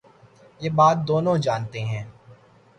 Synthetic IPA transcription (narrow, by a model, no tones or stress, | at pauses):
jeːbaːt̪̚d̪oːnõd͡ʒaːnt̪eɦɛ̃ː